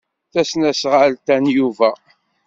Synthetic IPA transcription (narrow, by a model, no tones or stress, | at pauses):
θæsnæsʁəlt̪ænjuvæ